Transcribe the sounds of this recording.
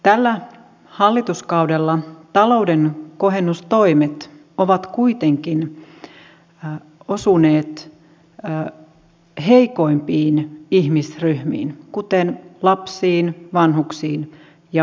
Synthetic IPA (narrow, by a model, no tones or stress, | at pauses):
t̪ælːæ | hɑlːit̪uskɑudelːɑt̪ɑlo̞udenkoɦenːust̪o̞imet̪ | oʋɑt̪kuit̪eŋkin | osuneːt̪ː | heikoimpiːnihmisryhmḭːnkut̪enlɑpsiːnʋɑnhuksiːn | jɑ